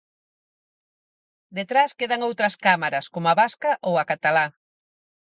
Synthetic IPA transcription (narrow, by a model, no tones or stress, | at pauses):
d̪et̪ɾaskeðaŋowt̪ɾɐskamaɾɐskomoaβaskɐʔowɐakat̪ala